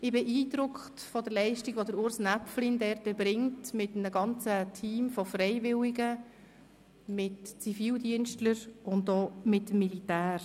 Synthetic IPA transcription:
ɪbɛʔiːdɾʊkχtfɔdəlɛɪʃtiɡ̥ʋɔdəɾʊɾsnæpflindɛɾtəbɾɪŋtmɪtnəɡɑnt͡sətʰiːmfɔfrɛɪvɪwiɡə | mɪtt͡sifiːldiənʃtləɾʊndoːmɪtmːilitæːɾ

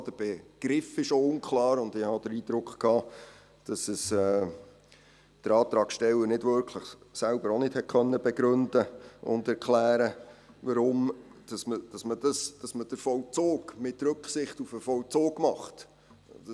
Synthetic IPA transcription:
d̥əb̥ɛɡ̥ɾɪfɪʃoʊnkʰlɑːɾʊndɪhɑd̥əɾiːd̥̪ɾʊkχkʰːɑː | d̥ɑsəsɛː | d̥əɾɑːt̪ɾɑːkʃtɛlːənɪdvʏɾkʰləχsælbəɾonɪthɛt̚kʰχœnːəbɛɡɾɵndəʊ̰ndɛɾkʰlæːɾəʋɑɾʊmd̥ɑsməd̥ɑsmədɑsd̥ɑsməd̥əɾfɔlt͡soːɡmɪtɾɵkχsɪχtufəfɔlt͡soːɡmɑχt

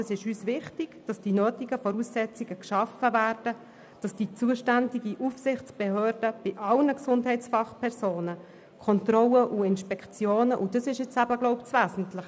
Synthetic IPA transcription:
ɛsɪʃyːsvɪχtɪɡ̥d̥ɑsd̥inøːtiɡəfɔɾusːɛt͡siɡ̥əkʃɑfəvæːrd̥ə | d̥ɑsd̥it͡suəʃtændiɡiʔufsɪχt͡sb̥ehøːɾd̥əb̥ɪʔɑlnəksʊndhɛɪt͡sfɑχpʰɛɾsoːnə | kʰɔntrɔləʔuɪnʃpɛkʰt͡sjoːnəʔʊdɑsɪʃjɪt͡sæbəɡlɔʊpt͡svæːsn̩tlɪχ

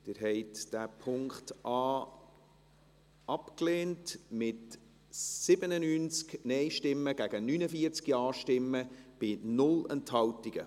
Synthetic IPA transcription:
d̥ɪɾɦɛɪtd̥æːpʰʊŋkχtʔɑː | ɑpkleːntmɪt | sɪbənənynt͡sknɛjʃtɪmːəɡ̥æɡ̥ənynəfiəɾt͡skiɑːʃtɪmːəb̥ɪnʊlɛnthɑwtiɡ̥ə

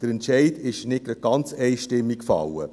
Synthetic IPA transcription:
d̥əɾɛntʃɛɪdɪʃnɪt̚ɡ̥ɾɑd̥̚ɡ̥ɑnt͡sɛɪʃtɪmːikfɑ̰wə̰

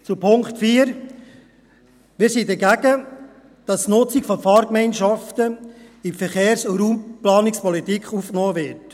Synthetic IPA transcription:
t͡supʰʊŋkχtfiːəɾ | mɪːɾsidɛɡæɡə | d̥ɑsnʊt͡sikfɔfɑːɾkmɛɪnʃɑftəifəɾχeːɾsɾuːmplɑːnikspɔlitikχuːfknoːvɪɾt

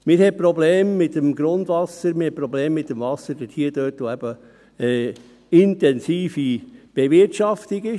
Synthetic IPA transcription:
mɪɾhɛpɾɔbleːmːɪt̪ːəmɡɾʊnd̪vʋɑsəɾmɪhɛpɾɔbleːmːɪt̪ːəmvɑsːəd̥əthiəd̥̪øːtʋoæb̥ə | ɛ | ɪnt̪ɛnsiːfib̥evɪtɑft̪iɡɪ

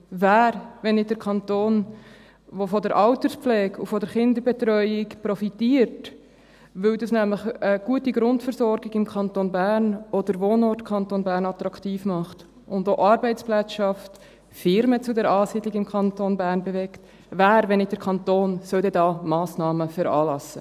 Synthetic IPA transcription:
væːɾʋɛnːɪt̚d̥əɾkʰɑnt̪oːn | ʋofɔdɛɾʔɑʊtəspp͡flɛːɡufɔdɛɾχɪnd̪əɾbɛt̪ɾœʏɪkpɾɔfitiːəɾt | ʋʏwdɑsnæmləχəɡ̥uətiɡɾʊntfəɾsɔɾɡɪɡɪmkʰɑntonbæːɾnɔd̥əɾʋoːnɔɾtkʰɑntoːnbæːɾnɑt̪ɾɑktiːfmɑχt | ʔʊndoːʔɑɾbɛɪt͡splɛt͡sʃɑft | fɪɾmət͡sudɛɾɑːsiːdlɪɡɪmkʰɑntonbæːɾnbɛvɛkt | ʋæːɾʋɛnːɪt̚d̥əɾkʰɑntoːnsœldɛdɑːmɑːsnɑːməfɛɾɑ̰ːlɑsːə̰

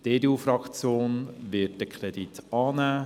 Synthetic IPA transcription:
d̥edeufɾɑkt͡sjoːnʋɪt̚d̥əkʰɾɛd̥itʰɑːnæː

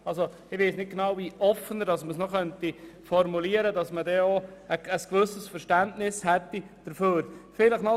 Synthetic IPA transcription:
ɑlso | ɪʋeɪsnɪt̚ɡenɑwviʔɔfənəɾd̥ɑsməsnɔχœntifɔɾmuliəɾədɑsmədɛoəəskʋɵsəsfəɾʃtæntnɪshɛtːi | d̥əɾføːɾfɪləχnɔ

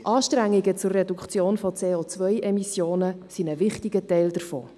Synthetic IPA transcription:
ʔɑːʃtɾæŋːiɡət͡sʊrːɛdukχt͡sjoːnfɔt͡seːot͡sʋœjʔɛmisjoːnəsinəvɪχtiɡətɛɪld̥əɾfo̰ː

